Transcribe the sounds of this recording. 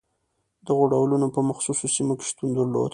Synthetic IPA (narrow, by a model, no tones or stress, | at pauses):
d̪əɣoɖawlunopəmaxsusosimoke̥ʃt̪und̪əɾlo̰d̪